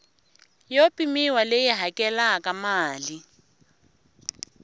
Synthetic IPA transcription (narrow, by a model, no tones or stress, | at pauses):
jopʼimiwalejɪɦakʼɛlakʼamaːli